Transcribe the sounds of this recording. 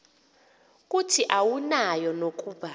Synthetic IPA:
k̬ʼutʰiʔawunajɔnok̬ʼuːɓa

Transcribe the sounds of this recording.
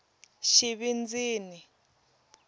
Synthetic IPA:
ʃiβind͡ziːni

